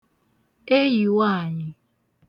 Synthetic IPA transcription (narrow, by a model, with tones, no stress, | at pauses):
e˦ji˨wa˦˨ɲɪ˨